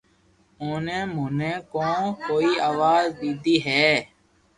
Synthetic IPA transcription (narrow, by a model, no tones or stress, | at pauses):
oːnẽːmoːnẽːkõːkoːiːaːʋaːzb̪iːd̪iːɦɛː